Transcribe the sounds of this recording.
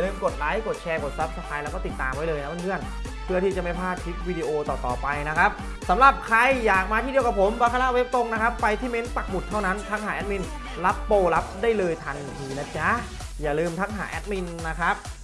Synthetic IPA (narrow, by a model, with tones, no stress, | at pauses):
ja˨˩lɯː˧mko˨˩t̪̚la˦˥jko˨˩t̪̚t͡ɕʰɛː˧ko˨˩t̪̚sa˦˥p̚sa˧pʰaː˧jlɛ˧˦˧wkɔː˥˩t̪i˨˩t̪ːaː˧mwa˦˥jlɤː˧jna˦˥ma˥˩nŋɯ˥˩ən | pʰɯ˥˩ət̪ʰiː˥˩t͡ɕa˨˩ma˥˩jpʰaː˥˩t̪̚kʰi˦˥t̪̚wiː˧diː˧ʔoː˧t̪ɔː˨˩t̪ɔ̰ː˨˩pa˧jna˦˥kʰa˦˥p̚ | sa˩˦mɾa˨˩p̚kʰɾa˧jːaː˨˩k̚maː˧i˥˩di˧əwka˨˩pʰo˩˦mwaː˧kʰa˧la˦˥ʔwe˦˥p̚t̪o˧ŋna˦˥kʰa˦˥pːa˧jt̪ʰiː˥˩me˦˧˥npa˨˩k̚mu˨˩t̪ʰːa˥˩wna˦˥nt̪ʰa˦˥k̚ɦaː˩˦ʔɛ˦˥t̪̚mi˧n | la˦˥pːoː˧la˦˥p̚daː˥˩jlɤː˧jt̪ʰa˧nt̪ʰiː˧na˦˥t͡ɕa˦˥˩ | jaː˨˩lɯː˧mt̪ʰa˦˥ŋ̚ɦa̰ː˩˦ʔɛ˦˥t̪̚mi˧nːa˦˥kʰɾa˦˥p̚